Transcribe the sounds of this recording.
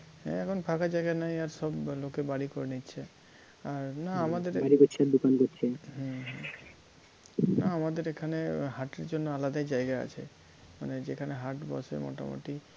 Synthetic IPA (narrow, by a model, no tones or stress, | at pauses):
ɦɛ̰̃ɛkʰonpʰakʰad͡ʒajɡanajaɾsɔblokebaɽikoɾnitːɕʰe | aɾnaamad̪eɾbaɽikoɾt͡ʃʰeaɾd̪ukankoɾt͡ʃʰeɦɛ̃ɦɛ̃ | naamad̪eɾekʰaneɦaʈeɾd͡ʒonːoalad̪ad͡ʒajɡaa̰t͡ɕʰḛ | ma̰ned͡ʑekʰaneɦaɾʈbɔ̰sḛmɔ̰ʈa̰mo̰ʈi